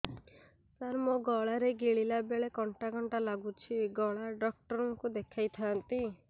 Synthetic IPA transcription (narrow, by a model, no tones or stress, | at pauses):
saɾmoɡɔɭaɾeɡeɭilabeɭekɔɳʈaɡʱɔɳʈalaɡut͡ʃʰiɡɔɭaɖɔk̚ʈɔɾɔŋkud̪ekʰajt̪ʰant̪i